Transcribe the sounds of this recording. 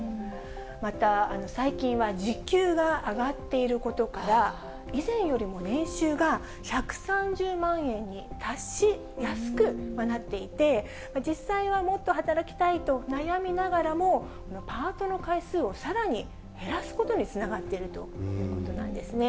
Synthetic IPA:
mat̪aːno̞saikʲĩɰ̃βad͡ʑikʲɨːɡaːɡat̪ːe̞iɾɯ̟ko̞t̪o̞kaɾa | izẽ̞ɰ̃jo̞ɾʲimo̞nẽ̞ɰ̃ɕɨːɡa | çakɯ̟̥sãɲ̟d͡ʑɨːmãɰ̃ẽ̞ɲ̟ːit̪ʰaɕːi | jasɨ̥kɯ̟manat̪ːe̞it̪e̞ | mad͡ʑisːaiβamo̞t̪ːo̞ɦat̪aɾakʲi̥t̪ait̪o̞najamʲinaɡaɾamo̞ | ko̞no̞paːt̪o̞no̞kaisɨːo̞saɾaɲ̟i | he̞ɾasɨ̥ko̞t̪o̞ɲ̟it͡sɨnaɡat̪ːe̞iɾɯ̟t̪o̞jɯ̟ːko̞t̪o̞nã̰nd̪e̞sɨne

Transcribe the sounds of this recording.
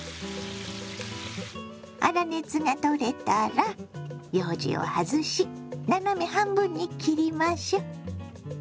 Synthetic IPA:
a̰ɾane̞t͡sɨŋat̪o̞ɾe̞t̪aɾajoːd͡ʑḭo̰hazɨɕinanomehãmbɯ̟̃ɲ̟ːikʲiɾʲimaɕo

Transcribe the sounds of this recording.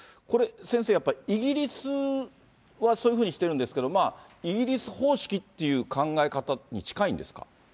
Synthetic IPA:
ko̞ɾe̞sẽ̞seːjapːaiiɡʲiɾʲisɨ | βasoːjɯ̟ɸɯ̟ːɲ̟iɕi̥t̪eɾɯ̟nd̪e̞sɨ̥ke̞d̪o̞maː | iɡʲiɾʲisɨ̥ho̞ːɕi̥kʲit̪ːe̞jɯ̟ːkãŋɡaekat̪aɲ̟it͡ɕi̥kaĩnd̪e̞sɨ̥ka̰

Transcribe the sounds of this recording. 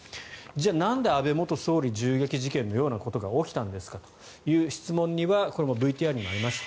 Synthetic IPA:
d͡ʑaːnãnd̪e̞abe̞mo̞t̪o̞so̞ːɾʲiʑɨːɡʲekʲiʑikẽ̞nːo̞jo̞ːnako̞t̪o̞ɡao̞kʲi̥t̪ãnd̪e̞sɨ̥kat̪o̥ | jɯ̟ːɕi̥t͡sɨmõ̞ɲ̟ːiβako̞ɾe̞mobɯ̟it̪ʲiːaimoaɾʲimaɕi̥t̪a

